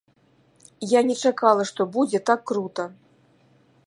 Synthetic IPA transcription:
janʲɛt͡ʂakalˠɐʂt̪ɔbud͡zʲɛt̪akːɾut̪ɐ

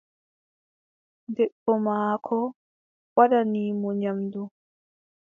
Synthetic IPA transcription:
dɛɗːɔmaːkʰɔ | wadaniːmɔɲamdu

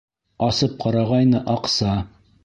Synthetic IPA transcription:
ɑsɤp̚qɑɾɑʁɑjnɤʔɑqsɑ

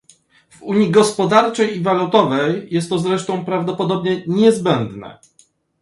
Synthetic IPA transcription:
vuɲiɡɔspɔd̪aɾt͡ʂɛjivalut̪ɔvɛjːɛst̪ːɔzɾɛʂt̪ɔ̃w̃pɾavd̪ɔpɔd̪ɔbɲɛɲɛzbɛnd̪nɛ̰

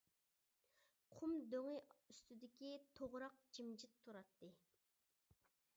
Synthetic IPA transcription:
qʰumd̪øŋɪyst̪yd̪ɪkʲit̪ʰoʁɾɑq̚d͡ʒimd͡ʒɪt̪ʰːuɾɑt̪ːɨ

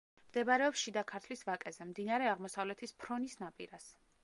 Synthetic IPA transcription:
md̪ɛbaɾɛɔpsʃid̪akʰaɾt̪ʰlisvakʼɛzɛmd̪inaɾɛaʁmɔsavlɛt̪ʰispʰɾɔnisnapʼḭɾas

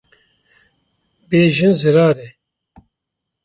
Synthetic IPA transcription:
beːʒɪnzɪɾaːɾɛ

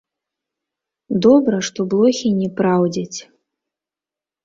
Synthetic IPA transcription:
d̪ɔbɾɐʂt̪ɔblˠɔxʲinʲɛpɾawd͡zʲɐt͡sʲ

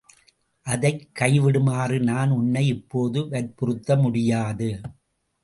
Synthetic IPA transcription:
ʔɐðɐɪkːɐɪʋɪɽɯmaːrɯnaːnʊnːɐɪɪpːoːðɯʋɐɾpʊrɯt̪ːɐmʊɽɪjaːðɯ

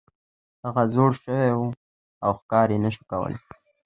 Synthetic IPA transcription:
haɣazoɽʃəwewu | awxkɑɾjenəʃu̥kawə̰le

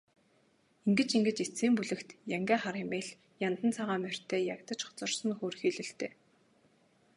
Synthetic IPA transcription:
iŋɡɘ̆t͡ɕiŋɡɘ̆t͡ɕit͡siːmpuɮɘ̆kt̪jæŋɡæːχaɾemeːɮ | jant̪ə̆nt͡sʰaʁaːmær̥ʲt̪ʰeːjakt̪ə̆t͡ɕχɔ̥t͡sɞ̆rsə̆nxoːrxiːɮɘ̆ɬt̪ʰeː

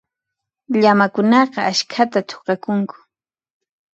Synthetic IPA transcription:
ʎamakʊnɑqɑaʃkʰat̪at̪ʰo̥qɑkʊŋkʊ̥

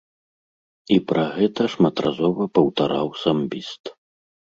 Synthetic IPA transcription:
ipɾɐɣɛt̪ɐʂmɐt̪razɔvɐpɐwt̪aɾawsambʲist̪

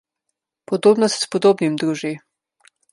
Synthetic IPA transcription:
pɔd̪oːbnɔst̪ʲspɔd̪oːbnimd̪ɾuːʒi

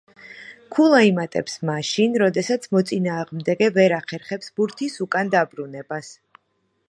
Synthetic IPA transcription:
kʰulˠaimat̪ʼɛ̰psmaʃinɾɔd̪ɛsat̪sʰmɔt̪sʼinaːʁmd̪ɛɡɛvɛɾaχɛɾχɛpsbuɾt̪ʰisukʼand̪abɾunɛbas

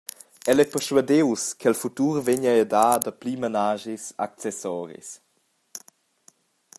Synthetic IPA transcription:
ɛlɛpɛʁʃwədewskɛlfutuːɾveɲaɛdaːdəplimanaːʒisa̰k̚t͡sɛsɔːɾḭs

